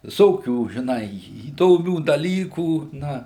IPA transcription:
ʋʲɪˈsoːkʲuː ʒʲɪˈnɐɪ iːdoːˈmʲuː dɐˈlʲiːkuː ˈnɐ

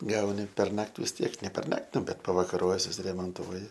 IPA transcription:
ˈɡɐʊnʲɪ pʲɛrˈnɐkʲtʲ ʋʲɪs ˈtʲiɛk nʲɛ pʲɛrˈnɐkʲtʲ ˈbʲɛt pɐʋɐkɐˈroːjɛs sʊsʲɪrʲɛmoːnˈtuɔjɪ

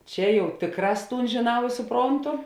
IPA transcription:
ˈt͡ʃʲɛ ˈjɛʊ ˈtʲeːkˌrɑːs ˈtuːn ʒʲeːˈnɐʊ ɪr sʊˈproːntʊ

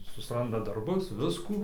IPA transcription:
sʊsˈrɐndɐ dɐrˈbʊs ˈʋʲɪskuː

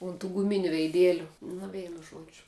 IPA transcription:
ʊn tuː ɡʊˈmʲɪnʲʊ ʋʲɛɪˈdʲeːlʲʊ nʊ ˈʋʲɛɪnʊ ˈʒuɔd͡ʒʲʊ

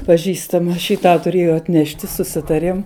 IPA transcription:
pɐˈʒʲiːstɐmɐ ʃʲiː ˈtɑː tʊˈrʲeːjoː ɐtʲˈnʲæːʃʲtʲɪ sʊˈsʲɪtɐrʲeːm

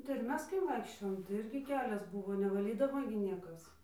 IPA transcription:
tɐɪ ɪr ˈmʲɛs kɐɪ ˈʋɐɪkʃʲt͡ʃʲoːjoːm tɐɪ ˈɪrʲɡʲɪ ˈkʲæːlʲɛs ˈbuːʋoː nʲɛʋɐˈlʲiːdɐʋoː ɡʲɪ ˈnʲiɛkɐs

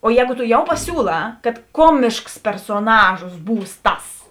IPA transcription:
oː ˈjɛːɡʊ toː ˈjɛʊ pɐˈsʲuːlˠɑː kɐt ˈkuɔmʲɪʃks pʲɛrsoːˈnɑːʒoːs ˈbuːs ˈtɐs

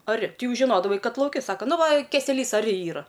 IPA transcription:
ɐˈrʲɪ ˈtʲɪ ˈjɛʊ ʒʲɪˈnoːdɐʋɐɪ ˈkɐt lˠɐʊˈkʲɪ ˈsɑːkɐ ˈnʊ ˈʋɐ kʲɛsʲɛˈlʲiːs ɐˈrʲɪ ˈiːrɐ

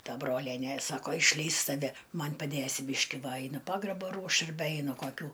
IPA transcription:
ˈtɐ ˈbroːlʲiɛnʲeː ˈsɑːkoː ɪʃʲˈlʲɛɪs tɐˈʋʲɛ ˈmɐnʲ pɐˈdʲeːsʲɪ ˈbʲiːʃʲkʲɪ ˈʋɐ ˈɐɪnʊ ˈpɑːɡrɐboː ˈruɔʃt ɐrʲˈbʲɛ ˈɛɪnʊ koːˈkʲuː

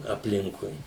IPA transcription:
ɐpʲˈlʲɪŋkʊɪ

